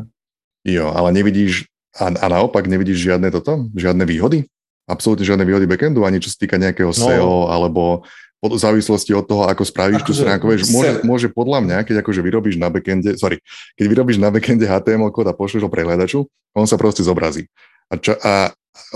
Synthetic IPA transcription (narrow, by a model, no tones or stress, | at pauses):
jɔa̰lɛɲɛʋiɟiːʃ | aanaɔpaɡɲɛʋiɟiːʒʒɪad̪nɛt̪ɔt̪ɔʒɪad̪nɛʋiːɦɔd̪i | apsɔlut̪ɲɛʒɪad̪nɛʋiːɦɔd̪ibɛkɛnd̪uaɲit͡ʃɔ̥sḁt̪iːkaɲɛakɛːɦɔsɛɔalɛbɔpɔzaːʋislɔsciɔt̪ːɔɦɔakɔspɾaʋiːʃt̪uːst̪ɾaːŋkuʋɛʃmʊɔʒɛmʊɔʒɛpɔd̪lamɲakɛɟakɔʒɛʋiɾɔbiːʒnabɛkɛnɟɛsɔɾikɛɟʋiɾɔbiːʒnabɛkɛnɟɛɦaːt̪ɛːɛmɔlkɔːd̪apɔʃlɛʒɦɔpɾʔɛɦlad̪at͡ʃu | ɔnsapɾɔscɛzɔbɾaziː | at͡ʃɔʔa